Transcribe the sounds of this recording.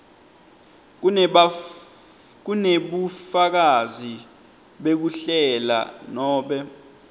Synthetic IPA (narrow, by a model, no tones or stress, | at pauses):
k̬uneɓufak̬azi | ɓek̬uɬɛla̰nɔːɓɛ